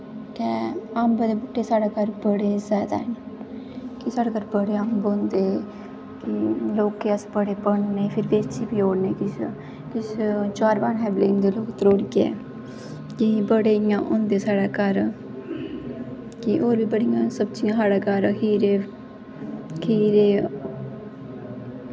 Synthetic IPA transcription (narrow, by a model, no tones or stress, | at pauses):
kɛambəd̪eːbʊʈːeːsaːɽaːkəɾbəɽeːsɛːt̪a̰n | kisaːɽaːkəɾbəɽeːaːmbõːnd̪eː | kɪloːkːeəsbəɽeːpəɳneːpʰɪɾbeːt͡ʃiːbiːoːɽneːkɪs | kɪst͡ʃaːɾbaːnɦɛːbleːnd̪eːloːkt̪ɾoːɽɡɛ̰ː | kibəɽeːjãːʔõːnd̪eːsaːɽaːkəɾ | kiʔoːɾbiːbəɽijãːsəbt͡ʃijãːsaːɽaːkəɾkiːɾeː | kiːɾeː